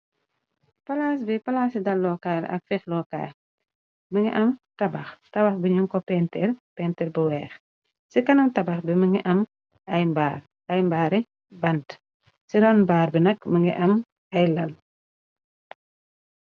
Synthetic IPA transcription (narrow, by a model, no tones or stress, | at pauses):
pɐlaːsbipɐlaːsidɐlːɔkalɐ̰k̚fixlɔka̰ː | məŋɡiʔɐmtɐbɐxtɐbɐxbiɲuŋkɔpɛntɛrpɛntɛrbəwɛːx | sikɐnɐmtɐbɐxbiməŋɡiʔɐm | ɐjmbaːr | ɐjmbaːɾɛ | bɐnt | siɾɔnbaːɾbinɐkməŋɡḭʔɐm | ɐjlɐl